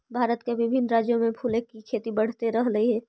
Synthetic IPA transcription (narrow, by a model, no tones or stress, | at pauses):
bʱaːɾət̪keʋɪbʱɪnːɾaːd͡ʒjomẽpʰuːlekːikʰeːt̪ibəɽ̤t̪eɾəɦləiɦɛː